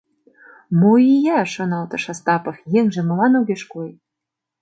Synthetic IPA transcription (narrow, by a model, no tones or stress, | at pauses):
moijæʃɤ̆nɑlt̪ɤ̆ʃɑst̪ɑpɤ̆xjeŋʒĕmɤ̆lɑnoɣeʃkoj